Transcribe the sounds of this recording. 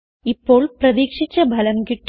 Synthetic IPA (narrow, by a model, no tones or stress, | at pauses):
ipːoːɭprɐðiːkʂit͡ɕːɐbʱɐlɐmkiʈː